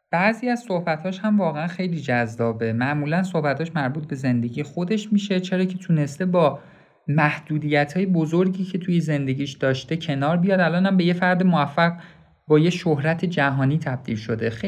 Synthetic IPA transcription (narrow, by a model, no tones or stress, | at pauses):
b̥æziːæzsohbæt̪hɒːʃhæmvɒːɣeænxe̞jliːd͡ʒæzːɒːbe̞mæʔmuːlænso̞hbæt̪ʰhɒːʃmæɾbuːt̪̚ʰbe̞ze̞nd̪e̞ɟiːjexo̞d̪e̞ʃmiʃe̞t͡ʃʰe̞ɾɒːcʰe̞t̪ʰune̞st̪e̞bɒː | mæhd̪̥uːd̪ijæt̪ʰhɒːje̞bozoɾɟiːcʰe̞t̪ʰujeze̞nd̪e̞ɟiːʃd̪̥ɒːʃt̪e̞cʰe̞nɒːɾbijɒd̪ælɒːnhæmbe̞je̞fæɾd̪emoæfːæɣ | bɒːjeʃohɾæt̪ʰe̞d͡ʒæɦɒːniːt̪ʰæb̚d̪ḭːlʃo̞d̪ex